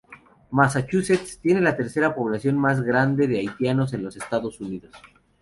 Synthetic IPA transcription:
masat͡ʃuset̪st̪je̞ne̞lat̪e̞ɾse̞ɾapo̞β̞lasjo̞nmazɣɾand̪e̞ðeajt̪jano̞s̬e̞nlo̞se̞st̪aðo̞suniðo̞s

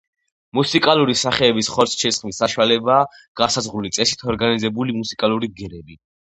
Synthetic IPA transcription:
musikʼalˠuɾisaχɛːbisχɔɾsʰt͡ʃʰɛsχmisːaʃwalɛbaː | ɡ̥asazʁɾulit̪sʼɛsi̥t̪ʰɔɾɡanizɛbulimusikʼalˠuɾiɡɛɾɛbi

